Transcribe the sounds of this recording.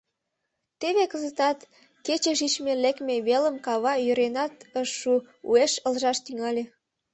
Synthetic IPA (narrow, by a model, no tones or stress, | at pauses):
t̪eβekəzət̪ɑt̪ | ket͡ɕeʃit͡ɕmelekmeβeləmkɑβɑjøɾenɑt̪əʃːu | ueʃəlʒɑʃt̪yŋɑlʲe